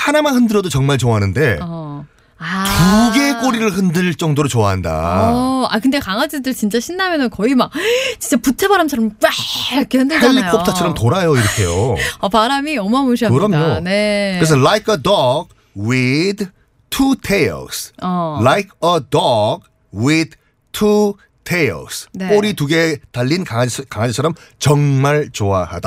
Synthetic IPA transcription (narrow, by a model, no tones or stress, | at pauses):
hanamahɯndɯɾʌdot͡ɕʌŋmaɭt͡ɕoaɦanɯnde̞ʌ | atuɡe̞k͈oɾiɾɯɭɦɯndɯɭt͡ɕ͈ʌŋdoɾot͡ɕoaɦanda̰a̰kɯnde̞kaŋad͡ʑidɯɭt͡ɕint͡ɕ͈aɕʰinːamjʌnɯnkʌimak̚t͡ɕi̥nt͡ɕ͈aputʰebaɾamt͡ɕʰʌɾʌmkaʌkʰehɯndɯeʎːikʰotʰat͡ɕʰʌɾʌmtoɾajoiɾʌkʰe̞̰jo̰ʌpaɾamiʌmamuɕ̬ʰiakɯɾʌmɲonekɯɾes̬ʰʌlajkʰʌdʌɡ | wid | tʰutʰejlsʌlajkʰʌdʌɡ | wid | tʰu | tʰejlsneoɾituɡe̞taʎːinkakaŋad͡ʑit͡ɕʰʌɾʌmt͡ɕʌŋmaɭt͡ɕoa̰ha̰d̥a